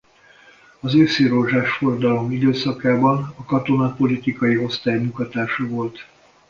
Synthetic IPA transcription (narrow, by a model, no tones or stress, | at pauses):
ɒzøːsiɾoʒaːʃford̪ɒlo̞mid̪øːsɒkaːbɒnɒkɒt̪o̞nɒpo̞lit̪ikɒjio̞st̪aːjɲukɒt̪aːʃɒvo̞lt̪